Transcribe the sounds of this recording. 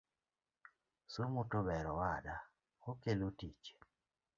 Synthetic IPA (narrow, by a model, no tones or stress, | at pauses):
sumʊtʊbɛɾɔwaɗa | okelotit͡ʃ